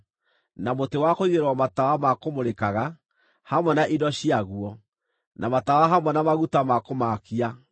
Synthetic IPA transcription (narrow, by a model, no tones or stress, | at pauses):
namotewakoiðeɾwɔmatawamakomoɾekaɣa | hamwɛnaʔidɔɕiaɣuɔ | nʔamatawaɦamwɛnamaɣutamakomakia